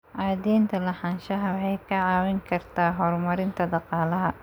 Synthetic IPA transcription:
ʕaːd̪ɛjnt̪ʰɐlɐħanʃɐɦɐwħɛjkʰɐʕɑːwɪŋkʰɐrt̪ʰaːɦɔːrmɐɾɪnt̪ʰɐd̪ɑqɑːlɐɦɐ

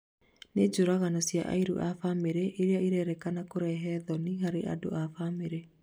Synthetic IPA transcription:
ned͡ʒoɾaɣanɔsia̰ʔa̰iɾṵʔafameɾeʔeɾeaiɾɛɾɛkanakoɾɛɦɛðɔniɦaɾeʔa̰do̰ʔafameɾe

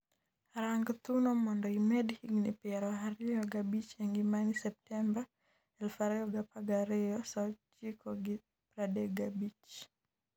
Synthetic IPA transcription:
ɾaŋɡt̪unɔmɔndɔimɛdhiɡnipɛɾɔaɾɪjɔɡabit͡ʃɛŋɡimanisɛp̚tɛmba | ɛlfaɾɛɔɡapaɡaɾɪɔsɔt͡ʃikɔɡi | pɾadɛɡabit͡ʃ

